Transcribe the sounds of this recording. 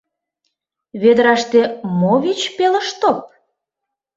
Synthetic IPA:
βed̪əɾɑʃt̪emoβit͡ɕpelə̆ʃt̪op̚

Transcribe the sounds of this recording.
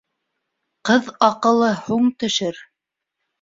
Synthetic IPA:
qɤðɑqɤ̆lˠɤhuɴt̪ɵ̆ʃɘɾ

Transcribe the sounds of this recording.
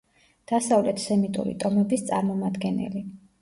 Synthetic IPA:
d̪̥asavlɛt̪ʰsɛmit̪ʼṵɾḭt̪ʼɔmɛbist̪sʼa̰ɾmɔmad̪ɡɛnɛ̰li

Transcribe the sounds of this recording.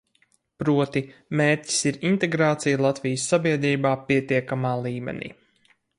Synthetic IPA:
pɾuɔt̪imeːɾʲci̥siɾint̪eɡɾaːt̪sijlˠat̪vʲijsːabiɛd̪ɾiːbaːpiɛt̪iɛkamaːlˠiːmɛ̰nḭː

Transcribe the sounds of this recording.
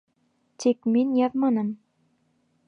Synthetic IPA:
t̪ʲekmenʲjɑvmɤnɤ̆m

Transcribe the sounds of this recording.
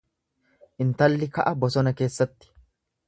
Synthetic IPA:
ʔɪnt̪ɐlːɪkɐʔɐbɔsɔnɐke̞ːsːɐt̪ːɪ̥

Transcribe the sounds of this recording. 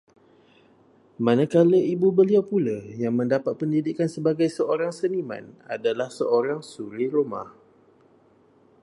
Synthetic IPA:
manakaləʔibubəliawpulajaŋmə̃ndapat̪̚pəndidikansəbaɡajsəoɾaŋsənimã̰na̰dalahsəʔoɾaŋsuɾiɾuma̰h

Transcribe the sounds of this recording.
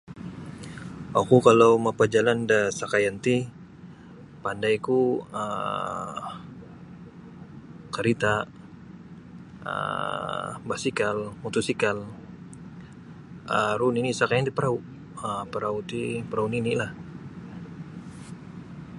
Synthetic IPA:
akukalawmapad͡ʒalandasakajant̪i | pandajkuə | kəɾit̪a | ə̰ | basikalmut̪usikal | ʔə̰ɾuninisakajant̪ipəɾau | əpəɾaut̪ipəɾauninilah

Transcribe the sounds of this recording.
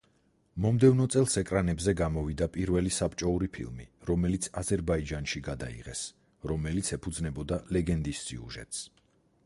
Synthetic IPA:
mɔmd̪ɛvnɔt̪sʼɛlˠsɛkʼɾanɛbzɛɡamɔvid̪apʼiɾvɛlisapʼt͡ʃʼɔuɾipʰḭlˠmiɾɔmɛlit̪sʰazɛɾbaid͡ʒanʃiɡad̪a̰ḭʁɛs | ɾɔmɛlit̪sʰɛpʰud̪znɛbɔd̪alɛɡɛnd̪isːḭṵʒɛ̰t̪ʼs

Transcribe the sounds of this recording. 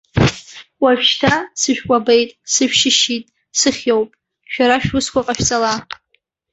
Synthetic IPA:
waɥᶣʃtʰasɨʃᶣkʷʼabejtʼsɨʃʃɪʃitʼ | sɨχʲjowpʼ | ʃᶣaɾaʃᶣʊskʷaqʼaʃᶣt͡sʼala

